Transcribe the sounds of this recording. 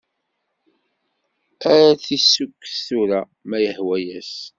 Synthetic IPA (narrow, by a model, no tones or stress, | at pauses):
æɾæθisːukːθθuɾæ | mæjəhwæjæs